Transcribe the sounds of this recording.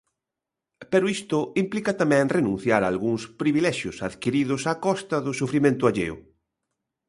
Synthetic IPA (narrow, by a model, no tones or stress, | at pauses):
peɾʊist̪ʊimplikɐt̪amɛ̃ŋrenũn̟θjaɾalɣuŋspɾiβilɛʃjʊsaðkiɾiðʊsakɔst̪ɐðʊsufɾimẽnt̪ʊaʎḛʊ̰